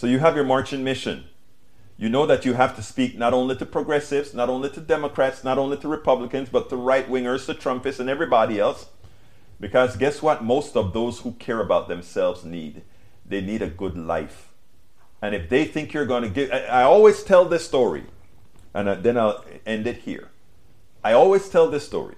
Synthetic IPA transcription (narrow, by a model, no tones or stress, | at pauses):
soʊjɨəvjə˞mɑɹt͡ʃɨ̃nmɪʃɨ̰̃n | jɨnoʊðɨt͡ʃɨɦæftʰɨspik̚nəɾõʊ̃nliɾɨpʰɹ̥ɨɡɹɛsɪvznəɾõʊ̃nliɾɨdɛməkʰɹ̥ætsnəɾõʊ̃nliɾɨɹɨpʰʌblɨkɨ̃nzbʌtʰːəɹaɪt̚wɪ̃ŋə˞z̥tɨtʰɹ̥ʌ̃mpɨsɨ̃nɛvɹibɑɾiɛlˠs | b̥ɨkʰʌzɡɛswʌt̚moʊstʌvðoʊz̥hukʰɛɹɨbaʊt̪̚ðɨ̃msɛlˠvznid̪̚ | ðeɪniɾɨɡʊdˡla̰ɪf | ɨ̃nɨfðeɪθɪ̃ŋkʰjə˞ɡõnɨɡɪaɪɔlˠwiz̥tʰɛlˠðɪstɔɹḭ | ʔɨ̃nðɨ̃naɪlˠ | ɛ̃ndɨt̚hḭɹ | aɪɔlˠwiz̥tʰɛlˠðɪstɔ̰ɹḭ